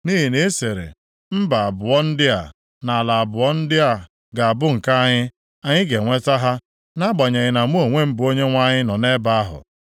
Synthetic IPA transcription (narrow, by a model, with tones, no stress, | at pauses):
ni˦ɦi˨ne˦se˨ɾḛ˨ | m̩˦ba˨a˨bʊ˨ɔ˦n̩˦dɪ˦a˨ | na˨a˨la˨a˨bʊ˨ɔ˦n̩˦dɪ˦a˨ | ɡa˨a˨bʊ˦ŋ̩˨ka˦a˦ɲɪ˦ | a˦ɲɪ˦ɡe˨ŋʷe˦ta˦ɦa˦ | na˦ɡ͡ba˨ɲe˨ɣɪ˨na˨m˦o˦o˨ŋʷe˦m̩˦bʊ˨o˦ɲe˦ŋʷa˦ɲɪ˦nɔ˨ne˦ba˦a˦ɦʊ̰˨